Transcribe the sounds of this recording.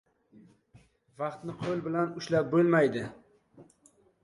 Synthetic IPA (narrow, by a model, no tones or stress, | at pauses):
vɑqt̪nɪqʰolˠbɪlanʊʃlap̚bolmajd̪ɪ